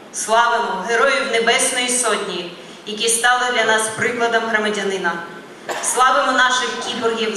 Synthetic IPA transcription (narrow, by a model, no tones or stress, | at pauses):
slˠɑʋɪmʊɦeɾɔjiwnebɛsnɔjisɔtʲnʲiji | jɐkʲist̪ɑlˠɪd̪lʲɐnɑspɾɪklˠɐd̪ɐmɦɾɐmɐdʲɐnɪnɐ | slˠɑʋemʊnɑʃɪxkʲib̪ɔrɦʲiw